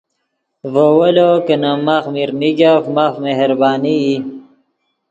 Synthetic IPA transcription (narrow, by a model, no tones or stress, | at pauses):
vowɐlokənamaxmiɾnikafmafmeɦɾbaːniː